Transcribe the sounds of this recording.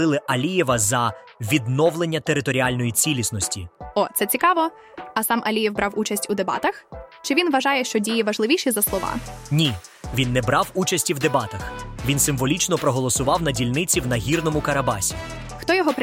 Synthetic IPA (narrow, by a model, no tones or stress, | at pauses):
ɪlˠɪʔɐlʲijɛʋɐzɐ | ʋʲid̪nɔwlˠenʲːɐt̪eɾɪt̪ɔɾʲialʲnɔjit͡sʲilʲisnɔsʲtʲiɔt̪sɛt͡sʲikɑʋɔ | ɐsɑmʔɐlʲijɛwbɾɑwut͡ʃɐsʲtʲud̪ebɑ̰t̪ɐxt͡ʃɪʋʲinʋɐʒɑjɛʃt͡ʃɔdʲijiʋɐʒlˠɪʋʲiʃizɐslˠɔʋɑ̰nʲiʋʲinːɛbɾɑwut͡ʃɐsʲtʲiwd̪ebɑt̪ɐxʋʲinsɪmʋɔlʲit͡ʃnɔpɾɔɦɔlˠɔsʊʋɑwnɐdʲilʲnɪt͡sʲiwnɐɦʲirnɔmʊkɐɾɐbɑ̰sʲḭ | xt̪ɔjɔɦɔp